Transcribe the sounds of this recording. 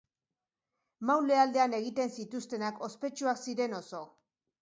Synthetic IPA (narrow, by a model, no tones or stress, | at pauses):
mawle̞ald̪e̞ane̞ɣ̞it̪e̞nsit̪ust̪e̞nako̞spe̞t͡ʃuaksiɾe̞no̞so̞